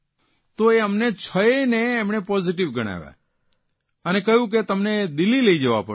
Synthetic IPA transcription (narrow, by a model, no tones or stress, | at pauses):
t̪oeəmnet͡ʃʰəeneːmɳepɔziʈɪʋɡəɽ̃a̰ʋa̰ | ənekəɦjũk̬et̪əmned̪ɪlːileid͡ʒeʋa̰pə